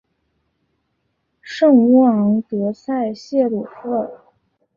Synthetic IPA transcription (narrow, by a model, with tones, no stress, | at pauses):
ʂɤ˥˩ŋu˧˥ɑ˧˥ŋt̪ɤ˧˥sʰa˥˧ɪɕjɛ˥˩lu˨˩fɤ˥˩